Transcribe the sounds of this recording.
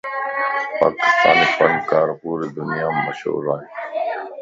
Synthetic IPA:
pa̰ːkɪ̥st̪a̰ːnepənkaːɾpuːɾed̪ʊnijaːmmːəʃɦṵːɾaːɦeː

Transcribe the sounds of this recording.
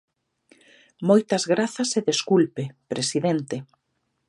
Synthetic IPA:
mojt̪ɐzɣɾaθɐseðeskulpepɾesiðent̪eɪ

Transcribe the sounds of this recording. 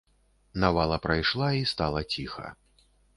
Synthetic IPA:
navalˠɐpɾajʂlˠaist̪alˠɐt͡sʲixɐ̰

